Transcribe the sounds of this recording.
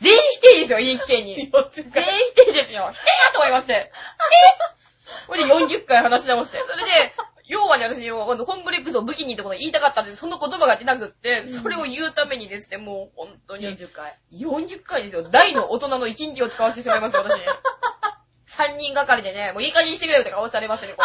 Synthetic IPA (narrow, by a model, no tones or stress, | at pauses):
zẽ̞ɰ̃çi̥t̪eid̪e̞s̬ɨjoikʲi̥ke̞ɲ̟ːiẽ̞ɰ̃çi̥t̪eid̪e̞sɨjo̞t̪oimasɨne̞ | koejõ̞ɲ̟d͡ʑɨkːaihanaɕinaoɕt̪eso̞ɾe̞d̪e̞ | jo̞ːβaneat̪aɕiɲiokõnohõ̞mbɯɾekːɯ̟sobɯ̟kʲiɲ̟iːt̪ːakooiːt̪akat̪ːand̪so̞no̞ko̞t̪o̞baɡat̪e̞nakɯ̟t̪ːe̞so̞ɾe̞o̞jɯ̟ːt̪ame̞ɲ̟id̪e̞sɨ̥ne̞mo̞ːhõ̞nt̪o̞ɲijõ̞ɲd͡ʑɨkːaid̪e̞sɨjod̪aino̞ʔot̪o̞nano̞it͡ɕĩɲ̟kʲio̞t͡sɨ̥kaβast̪eɕimaimasijmat̪aɕiɲi | sãɲ̟ːĩŋɡakaɾʲid̪e̞ne̞moiːkaɲʲĩit̪ekɯɾebɯt̪ekaosi̥aɾe̞masɨeneo